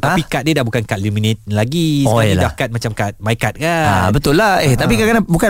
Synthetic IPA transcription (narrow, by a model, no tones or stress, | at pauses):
tapikat̪̚diədahbukankat̪̚luminet̪̚laɡisildahkat̪̚mat͡ʃamkat̪̚maikat̪̚ka̰bət̪ʊlːaeht̪apikakanabuka